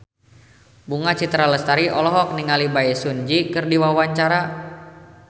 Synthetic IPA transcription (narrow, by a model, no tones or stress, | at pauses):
buŋat͡ʃit̪ɾaləst̪aɾiʔɔlɔɦɔk̚niŋalibaɛsund͡ʒikɨrdiwawaɲt͡ʃaɾa